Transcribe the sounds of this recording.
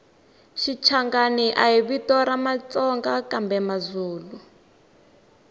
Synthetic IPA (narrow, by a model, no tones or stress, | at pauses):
ʃit͡ʃʰaŋɡaniʔaiβitɔɾamat͡sɔŋɡakambɛmazuːlu